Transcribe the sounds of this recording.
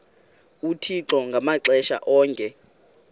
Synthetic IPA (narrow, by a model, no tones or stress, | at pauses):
utʰiǁɔŋɡʱamaǁɛʃa̰ʔɔːŋkʼɛ